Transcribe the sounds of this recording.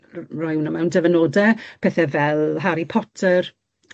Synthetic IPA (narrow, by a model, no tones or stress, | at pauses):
rɔjwnəmɛwndəvənoːdɛpʰeːθɛvɛlˠɦaɾipʰɔtʰər